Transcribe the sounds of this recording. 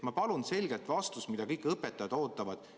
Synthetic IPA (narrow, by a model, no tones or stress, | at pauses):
mɑpɑlunse̞lɡelt̪vɑst̪usmid̪̥ɑkɤjkːˑɤpːˑɛt̪ːˑɑjɑd̪̥o̞ːt̪ːˑɑvɑd̪̥